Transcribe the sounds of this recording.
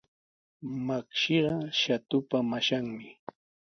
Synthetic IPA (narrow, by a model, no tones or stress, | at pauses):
makʃiɢɑʃat̪ʊpamaʃaŋmɪ